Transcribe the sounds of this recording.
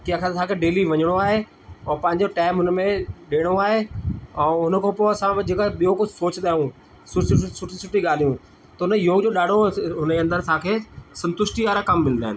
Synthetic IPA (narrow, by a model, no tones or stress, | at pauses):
kijãkʰãt̪ʰãːkʰeːɖeːliʋɐɲəɽ̃oaːɦe | ɔːpɐ̃ɦɪ̃ɲ̆d͡ʑoʈaːɪmɦʊnəmẽɗeːɽ̃oaːɦeɛ̃ːʊnkʰãːpoːɐsãd͡ʑeːkaɓijokʊd͡ʑʱsoːt͡ɕɗ̪aːjũ | sʊssʊʈʰisʊʈʰiɠaːl̤ijũ | t̪ɐʊnəjoːɡd͡ʑoːɗaːɽ̤ʱoɦʊneɐ̃nd̪əɾt̪ʰãːkʰeːsɐ̃nt̪ʊʃʈiaːɾakɐmːɪl̃nd̪aːɦɪnɪ̆